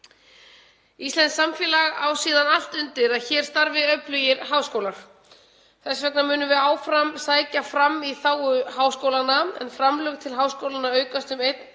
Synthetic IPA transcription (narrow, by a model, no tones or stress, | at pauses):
ist̪ɛnsamfjɛːlaɣawsiːðanal̥t̪ʏnt̪ɪɾaðçɛːɾ̥st̪aɾvɪðœplʏjɪɾɦaːwskowlaɾ̥ | θɛsvɛknamʏːnʏvɪaːwfɾamsaːjcafɾamːiθaːwʏɦaːwskoːwlanːaɛ̰nfɾamlœɣt̪ʰɪlɦaːwskowlanːaœːɥkast̪ʏmejt̪n